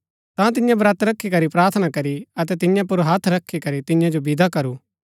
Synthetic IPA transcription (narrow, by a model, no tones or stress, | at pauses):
t̪ãt̪ɪjãbɐɾɐt̪ɾɐkʰːikɐɾipɾaːɾt̪ʰənakɐɾiɐt̪ɛt̪ɪjãp̬ʊɾɦat̪ʰɾɐkʰːikɐɾit̪ɪjãd͡ʒobɪd̪akɐɾuː